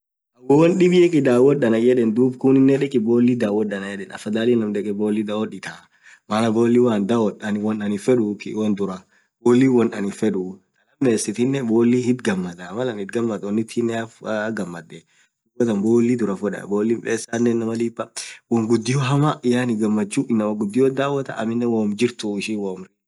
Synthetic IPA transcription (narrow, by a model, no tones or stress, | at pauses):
ʔɐwɔwɔnɗɪbɪjɛkʼɪd̪aːwɔɗɐnɐjɛᶑɛnd̪uːbkʊnɪnːɛᶑɛkʼɪboːlːid̪aːwɔɗːɐnɐjɛᶑɛnɐ̰fɐd̪aːlinɐmd̪ɛkʼɛboːlːid̪awɔᶑɪt̪a | mɐlɐboːlːiwaːnd̪awɔɗɐnwɔnɐnɪfɛᶑukɪwɐnd̪ʊɾɐ | boːlːiwɔnʔɐnɪfɛᶑut̪ʼɐlɐmːeːsɪt̪ɪnːɛboːlːihɪd̪ɡɐmːɐd̪ɐmɐlɐnɪt̪̚ɡɐmːɐt̪wɔnːɪt̪ʰːinːɛafɡɐmːɐd̪ːɛ | wɔt̪ɐnboːlːid̪ʊɾɐfʊᶑɐ̰boːlːimpʼeːsːaːnːɛnːɐmɐlibɐwɔmɡʊd̪ːɪjoɦɐmɐʔɪjaːnɪɡɐmːɐt͡ʃːuːʔɪnːɐmɐɡʊd̪ːɪjoːd̪aːwːɐt̪ɐ̰ʔɐ̰mɪnːɛwoːmd͡ʒɪɾt̪ʊɪʃɪwoːm